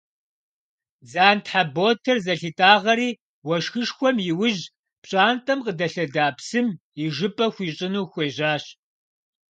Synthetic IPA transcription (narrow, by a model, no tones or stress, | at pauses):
zaːntħaboːtʰɐrzɐɬitʼaːʁɐɾiː | wɐʃxɨʂxʷɔmjɪwʊʑ | pɕʼaːntʼɐmqədɐɬɐdaːpsɨm | jɪʒɨpʼɐxʷiːɕʼɪnuːxʷeːʑaːɕ